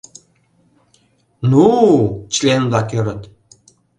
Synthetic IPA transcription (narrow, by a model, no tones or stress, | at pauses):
nut͡ɕlʲend̪ɑkʲøɾə̆t̪